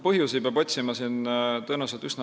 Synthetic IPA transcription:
pɤɦjusibeɑbo̞t̪ʲsimɑsint̪ɤnuset̪ysnɑ

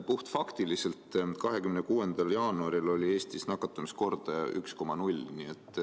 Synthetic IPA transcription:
puht̪fɑkt̪ilise̞lt̪kɑɦe̞kymnekuːe̞nd̪̥ɑljɑːnuɑɾilo̞lʲie̞ːst̪isnɑkːˑɑt̪ːˑumisko̞rd̪̥ɑy̰ksko̞mɑnulʲniːet̪ːˑ

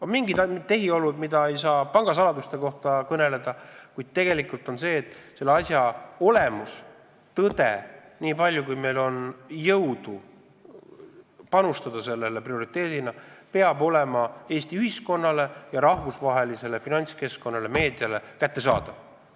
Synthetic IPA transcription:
omiŋɡid̪t̪ːe̞ɦio̞lud̪mid̪ɑe̞jsɑːpɑŋɡ̥ɑsɑlɑd̪ust̪e̞ko̞ht̪ɑkɤne̞le̞d̪̥ɑkujd̪̥̚t̪e̞ɡ̥e̞likˑult̪ˑo̞nse̞ːt̪ːˑse̞lːeɑsjɑo̞le̞mus | t̪ɤd̪̥e̞̰ | niːpɑlʲjukujme̞jlo̞njɤwd̪̥u | pɑnust̪ɑd̪̥ɑse̞lːe̞le̞prio̞ɾit̪ːˑe̞ːd̪̥inɑpe̞ɑbo̞le̞mɑe̞ːst̪iyhisko̞nːɑle̞jɑɾɑhvusvɑɦe̞lise̞le̞finɑnʲt̪ske̞sko̞nːɑle̞me̞ːd̪ijɑle̞kæt̪ːe̞sɑːd̪̥ɑ

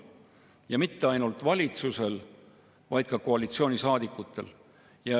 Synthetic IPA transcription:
jɑmit̪ːe̞ɑjnult̪vɑlʲit̪suse̞l | vɑjd̪̥̚kɑko̞ɑlʲit̪sio̞ːnʲisɑːd̪ikːˑut̪ːˑe̞̰l | jɑ

